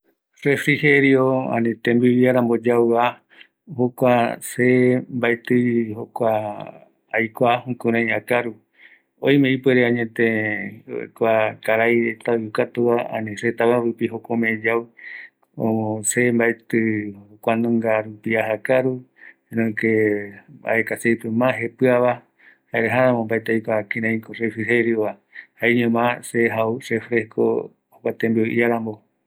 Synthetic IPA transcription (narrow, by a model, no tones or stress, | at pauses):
refɾiheɾioã̰nĩt̪ẽmbiβiaɾãmbod͡ʒawa | hokʷasembaet̪ɨhokʷaː | jkʷahũkũɾãj̃akaɾu | ojmẽipweɾeãɲẽt̪ẽo̰kʷakaɾajɾet̪aojukat̪uaã̰nĩset̪aβaɾupiɦokomẽd͡ʒaw | õ̰õsembaet̪ɨokʷanũŋɡaɾupiaɦakaɾu | enõikeba̰ekasejpemãɦe̞pɨaβa | haeɾeɦaɾãmõmbaet̪ejkʷakĩɾãj̃korefiɦeɾjoβa | haeɲẽmãseɦausefɾesko̰ | hokʷat̪embioʔiaɾãmbo